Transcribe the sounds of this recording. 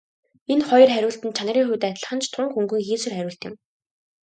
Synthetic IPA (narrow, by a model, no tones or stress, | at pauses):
enχɔjɞ̆rχæɾʲʊːɬt̪ɘ̆nt͡ɕʰan̆rʲiːŋxuwt̪æt̪̆ʲɮə̆χə̆nt͡ɕʰt̪ʰʊŋkɵŋɡɵ̆ŋxiːsɘ̆rχæɾʲʊːɬt̪ɪ̆m